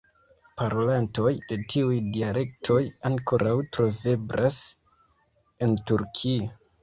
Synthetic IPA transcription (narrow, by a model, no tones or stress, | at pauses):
paɾo̞lanto̞jd̥e̞tʰiujdiale̞k̚tʰo̞jaŋko̞ɾʔawtɾo̞ve̞bɾʔas | entuɾkʰia